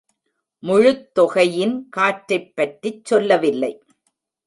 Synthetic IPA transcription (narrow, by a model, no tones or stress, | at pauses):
mʊɻʊt̪ːɔɣɐjɪnkaːʈɾɐɪpːɐʈːit͡ʃːɔlːɐʋɪlːɐɪ